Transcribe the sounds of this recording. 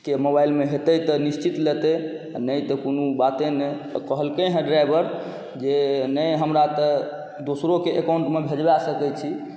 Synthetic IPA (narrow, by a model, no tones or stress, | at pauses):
kemobailmeɦet̪ət̪ənist͡ʃit̪let̪ɛ | anəjt̪ɔkonubat̪ẽne | kəɦəlkəɦɛ̃ɖɾajbəɾ | d͡ʒenəjɦəmɾat̪ə | d̪osɾokeʔekaʊɳʈmebʱed͡ʒbasəkɛt͡ʃʰi